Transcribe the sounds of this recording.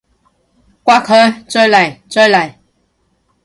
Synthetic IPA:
kwa˥kʰɔ˥˦t͡sə˦˥la˨˩jt͡sə˦la˨˩j

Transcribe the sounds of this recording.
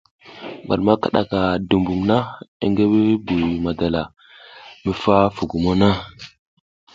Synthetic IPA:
ŋɡa̰˨lma˦ka˦ɗa̰˨ka˨du˨mbu˨mna˦ḭ˦ŋɡe˦we˦bu˨jma˨da˨la˨ | mə˦fa˦fu˨ɡu˨mo˦na˦

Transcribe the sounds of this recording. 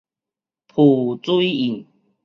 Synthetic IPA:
pʰu˨˩t͡su˦i˦i˨˩ŋ

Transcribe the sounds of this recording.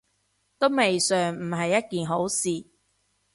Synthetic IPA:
t̪o˥wme˨jsœː˨ŋm̩˨˩ɦɐ˨jːɐ˥t̚kiː˨nɦo˨˥wsiː˨˩

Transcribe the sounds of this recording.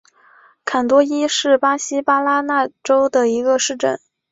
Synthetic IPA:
kʰa˨˩nt̪wɔ˥i˥ʂɻ̩˥˩pa˥ɕi˥pa˥la˥na˥˩ʈ͡ʂo˥ʊd̪ə˨i˧˥ɡə˧ʂɻ̩˥˩ʈ͡ʂə̰˥˩˦n

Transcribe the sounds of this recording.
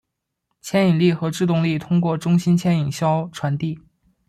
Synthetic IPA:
t͡ɕʰjɛ˥ni˨˩ŋli˥˩xɤ˧˥ʈ͡ʂɻ̩˥˧t̪ʊ˥˧ŋli˥˩t̪ʰʊ˥ŋkwɔ˥˩ʈ͡ʂʊ˥ŋɕi˥nt͡ɕʰjɛ˥˩ni˨˩ŋɕjɑ˥ʊʈ͡ʂʰwa˧˥nt̪i˥˩

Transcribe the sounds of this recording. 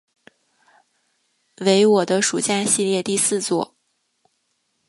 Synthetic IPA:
we˧˥ɪwɔ˨˩d̪ə˦ʂu˨˩t͡ɕja˥˧ɕi˥˧ljɛ˥˧t̪i˥˧sɹ̩˥˧t͡swɔ˥˩

